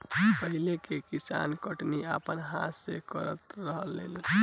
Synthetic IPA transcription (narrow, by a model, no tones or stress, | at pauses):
pəɦilekekisa̰nkəʈniapənɦa̰sekəɾə̰t̪ɾəɦəlːḛl